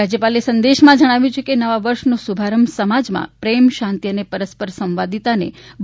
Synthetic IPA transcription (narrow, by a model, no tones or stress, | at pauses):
ad͡ʒjəpalesə̃nd̪eʃmãd͡ʒəɽ̃aʋjũt͡ʃʰekenəʋaʋəɾʃnosubʱaɾəmsəmad͡ʒmã̰pɾemʃãnt̪ijənepəɾəspəɾsə̃mʋad̪it̪anḛbʱ